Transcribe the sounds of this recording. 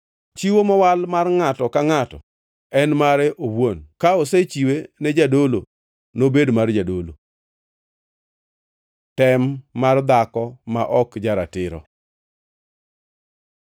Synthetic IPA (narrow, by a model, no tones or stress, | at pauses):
t͡ʃiwomɔwalmarŋatɔkaŋatɔ | ɛnmaɾɛʔowonkaoset͡ʃiwenɛd͡ʒadolo̰ | nobedmard͡ʒadolo̰ | tɛmːard̪akɔmaʔɔkd͡ʒaɾa̰tɪɾɔ̰